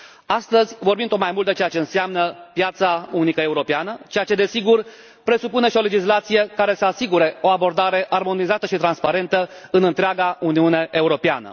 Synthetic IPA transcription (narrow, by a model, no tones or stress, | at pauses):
ast̪əzʲvo̞rbinmdt̪ot̪majmult̪d̪et͡ʃejat͡ʃe̞ɨnseamnəpjat̪saunikəe̞uɾo̞peanət͡ʃejat͡ʃe̞d̪e̞siɡur | pɾe̞supune̞ʃio̞le̞d͡ʒislat̪sije̞kaɾe̞səasiɡuɾe̞o̞abo̞rd̪aɾe̞ʔarmo̞nizat̪əʃit̪ɾanspaɾe̞nt̪əɨnɨnt̪ɾeaɡauniune̞ʔeuɾo̞pea̰nə̰